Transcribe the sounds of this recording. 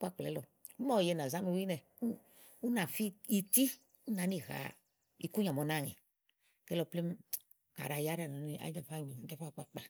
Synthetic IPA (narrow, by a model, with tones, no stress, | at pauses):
k͡pa˦˨k͡plɛ˨lɔ˨˦ | mɔ˨je˧na˨za˦me˧˨˦wi˦nɛ˨ | u˦ | u˦nã˨fi˦i˨t̪i˦ | u˦nã˨˦ni˨ɣa̰˨ | i˨ku˦ɲã˨mɔ˨˦nã˦˨ŋḛ˨ | kɛ˦lɔ˨˧˨ple˦m˦ | ka̰˨ɾa˨ja˦ɾa˨na˨ni˦ʔa̰˨˦d͡ʒa˨fa˦˨ɲi˨˦d͡ʒa˦fa˦˨k͡pa˨k͡pa˨